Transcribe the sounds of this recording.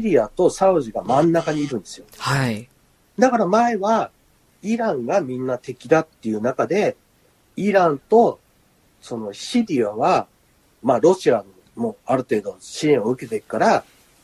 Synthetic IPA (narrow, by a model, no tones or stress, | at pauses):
ɕiɾʲiat̪o̞saɯ̟ʑiɡamãnːakaɲ̟iːɾɯ̟̃nd̪e̞sɨjoha | d̪akaɾamae̞βa | iɾãŋɡamʲĩnːat̪e̞kʲid̪at̪ːe̞jɯ̟ːnakad̪e̞ | iɾãnt̪o̞ | so̞no̞ɕiɾʲiaβa | maːɾo̞ɕia | mo̞aɾɯ̟t̪e̞ːd̪o̞ɕiẽɰ̃oɯ̟ke̞t̪e̞ikɯ̥kːaɾa